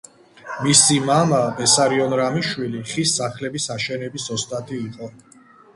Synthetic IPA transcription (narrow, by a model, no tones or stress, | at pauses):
misimamapɛsaɾiɔnɾamiʃwiliχisːaχlɛbisaʃɛnɛbisɔst̪ʼat̪ʰiːqʼɔ